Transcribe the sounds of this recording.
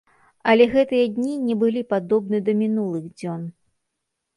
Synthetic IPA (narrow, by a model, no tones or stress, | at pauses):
ɐlʲɛɣɛt̪ɨjɐd̪ʲnʲinʲɛbɨlʲipad̪ɔbnɨd̪ɐmʲinulˠɨɣd͡zʲɔn